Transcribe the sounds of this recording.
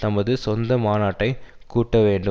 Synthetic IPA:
t̪ɐmɐðɯsɔnd̪ɐmaːnaːʈːɐɪ | kuːʈːɐʋeːɳɖɯ

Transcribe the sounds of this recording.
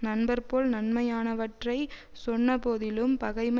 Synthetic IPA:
nɐnbɐɾpoːlnɐnmɐjaːnɐʋɐʈrɐɪ | sɔnːɐpoːðɪlɯmpɐɣɐɪmɐ

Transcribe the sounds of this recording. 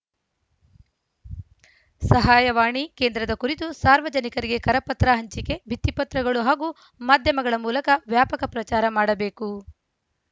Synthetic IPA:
sɐɦaːjɐʋaːɳike̞ːnd̪ɾɐd̪ɐkuɾit̪usaːɾʋɐd͡ʒɐnikɐɾiɡe̞kɐɾɐpɐt̪ɾaɦɐɲt͡ʃike̞bʱit̪ːipɐt̪ɾɐɡɐɭuɦaːɡu | maːd̪ʱjɐmɐɡɐɭɐmuːlɐkɐʋjaːpɐkɐpɾɐt͡ʃaːɾɐmaːɽɐbe̞ːku

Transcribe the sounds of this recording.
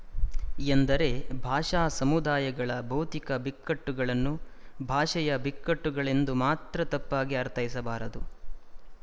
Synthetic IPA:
end̪ɐɾe̞bʱaːʂaːsɐmud̪aːjɐɡɐɭɐbʱɐwt̪ikɐbikːɐʈːuɡɐɭɐnːubʱaːʂɐjɐbikːɐʈːuɡɐɭe̞nd̪umaːt̪ɾɐt̪ɐpːaːɡiɐɾt̪ʰɐjisɐbaːɾɐd̪u

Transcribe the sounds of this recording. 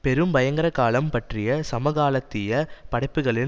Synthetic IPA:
pɛɾɯmbɐjɐŋɡɐɾɐkaːlɐmpɐʈrɪjɐsɐmɐɣaːlɐt̪ːɪjɐpɐɽɐɪpːɯɣɐɭɪn

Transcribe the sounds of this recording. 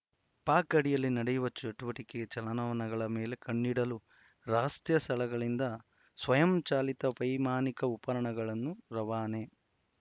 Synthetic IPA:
paːkɐɽijɐlːinɐɽejuʋɐt͡ʃɐʈuʋɐʈikeɡɐt͡ʃɐlɐnɐʋɐnɐɡɐɭɐmeːle̞kɐɳːiɽɐlu | ɾaːst̪jɐsʰɐlɐɡɐɭind̪ɐ | sʋɐjɐmt͡ʃaːlit̪ɐʋɐjmaːnikɐupɐɾɐɳɐɡɐɭɐnːuɾɐʋaːne

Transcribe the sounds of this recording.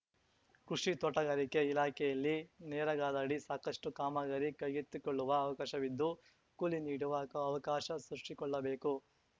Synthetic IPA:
kɾuʂit̪ɔʈɐɡɐɾike̞ilaːkʰɛjɐlːinɛːɾɐɡaːd̪ɐɽisaːkɐsʈukaːmɐɡɐɾikɐjɡit̪ːukɔɭːuʋɐːʋɐkaːʃɐʋid̪ːu | kuliniːɽuʋɐkɐʋɐkaːʃɐsɾuʂʈikɔɭːɐbe̞ːku

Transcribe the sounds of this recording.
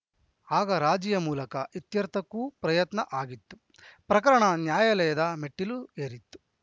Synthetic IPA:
aːɡɐɾaːd͡ʒijɐmuːlɐkɐʔit̪jɐɾt̪ʰɐkːuːpɾɐjɐt̪nɐʔaːɡit̪ːu̥ | pɾɐkɐɾɐɳɐnjaːjɐlɛjɐd̪ɐme̞ʈːilueːɾit̪ːu̥

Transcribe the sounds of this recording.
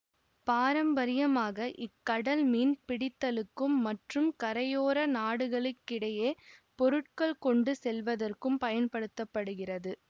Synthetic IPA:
paːɾɐmbɐɾɪjɐmaːɣɐʔɪkːɐɽɐlmiːnpɪɽɪt̪ːɐlɯkːɯmːɐʈrɯmkɐɾɐjoːɾɐnaːɽɯɣɐɭɪkːɪɽɐjeːpɔɾɯʈ̚kɐɭkɔɳɖɯsɛlʋɐðɐrkɯmpɐjɐnpɐɽɯt̪ːɐpːɐɽɯɣɪrɐðɯ

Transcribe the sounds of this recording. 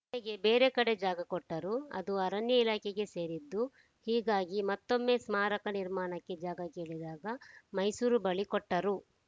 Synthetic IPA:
eɡe̞beːɾekɐɽe̞d͡ʒaːɡɐkɔʈːɐɾuɐ̰d̪uɐɾɐnjɐilaːkʰɛɡe̞se̞ːɾid̪ːu | hiːɡaːɡimɐt̪ːo̞mːe̞ːsmaːɾɐkɐniɾmaːɳɐkːe̞d͡ʒaːɡɐke̞ːɭid̪aːɡɐmɐjsuːɾubɐɭikɔʈːɐɾu

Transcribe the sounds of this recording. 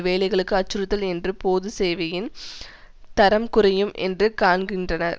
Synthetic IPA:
ʋeːlɐɪɣɐɭɯkːɯɐt͡ʃːɯɾɯt̪ːɐlɛndrɯpoːðɯseːʋɐjɪn | t̪ɐɾɐmkʊrɐjɯmʔɛ̰ndrɯkaːɳɡɪndrɐnɐɾ

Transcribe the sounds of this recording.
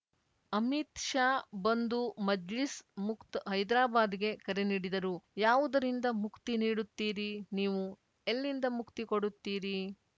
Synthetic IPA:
ɐmit̪ʃaːbɐnd̪umɐd͡ʒlismukt̪ɦɐjd̪ɾaːbaːd̪iɡe̞kɐɾe̞niːɽid̪ɐɾujaːʋud̪ɐɾind̪ɐmukt̪iniːɽut̪ːiːɾiniːʋu | elːind̪ɐmukt̪ikoɽut̪ːiːɾi

